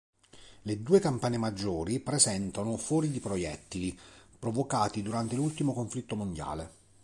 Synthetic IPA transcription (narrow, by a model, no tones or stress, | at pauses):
led̪uːekampaːnemad͡ʒːoːɾipɾezɛnt̪anofwɔːɾid̪ipɾojɛ̰t̪ːiipɾovokaːt̪id̪uɾant̪elult̪imokoɱflit̪ːomond̪ja̰ːle